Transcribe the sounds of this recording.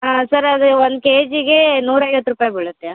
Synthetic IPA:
aːsɐɾɐd̪uond̪̚keːd͡ʒiɡenuːɾɐjʋɐt̪ːɾupaːjɐbiɭut̪ːea

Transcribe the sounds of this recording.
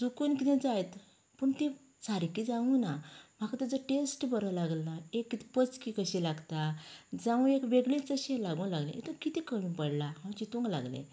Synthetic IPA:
d͡zukunkit̪ɛ̃d͡zajt̪ | pəɳt̪ẽ | t͡saɾikid͡zãʋũnam̤akat̪əd͡zəʈesʈbəɾəlaɡlaekːit̪ɛ̥pət͡skikəɕilaɡt̪ad͡zãʋũekʋeɡɭẽt͡səɕelaɡũlaɡlḛ̃ʔḛt̪əkit̪ikəɽũnpəɽlaɦãt͡ɕit̪õŋɡla̰ɡlḛ̃

